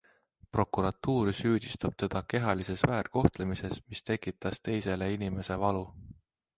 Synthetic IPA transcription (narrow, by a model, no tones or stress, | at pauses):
pro̞kuɾɑt̪ːuːɾsyːd̪̥ʲist̪ɑb̥̚t̪e̞d̪̥ɑke̞ɦɑlise̞svæːrko̞ht̪lemise̞smist̪e̞kːˑit̪ːˑɑst̪e̞jse̞le̞inime̞se̞vɑlu